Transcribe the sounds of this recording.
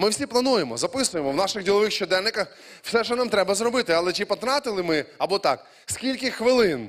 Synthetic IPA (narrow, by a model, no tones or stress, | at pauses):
mɪwsʲiplˠɐnujemɔzɐpɪsʊjemɔwnɑʃɪxdʲilˠɔʋɪxʃt͡ʃɔd̪ɛnnɪkɐx | w̥sɛʃɛnamt̪ɾɛbɐzɾɔbɪt̪ɪɐlˠɛt͡ʃipɔt̪ɾɑt̪ɪlˠɪmɪɐbɔt̪ɑk | skʲilʲkɪxʋɪlˠɪn